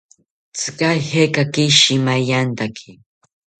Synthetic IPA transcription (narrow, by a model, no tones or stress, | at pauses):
t͡sɨ̥kajhekakɪʃimajant̪akʰi